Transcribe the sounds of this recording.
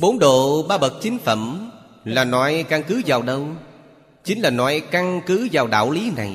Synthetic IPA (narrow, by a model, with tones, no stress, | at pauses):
ɓo˨˦nɗo̰˧˨ɓaː˧ɓə˨˩t̚t͡ɕï˨˦ŋ̟fə̰˧˨m | laː˨˩nɔ˨˧˦jka˧ŋkɨ˨˦zaː˨˩wɗə˧w | t͡ɕï˨˦ŋ̟laː˨˩nɔ̰˨˧˦jka˧ŋkɨ˨˦zaː˨˩wɗa̰ː˧˨wli˨˦na˨˩j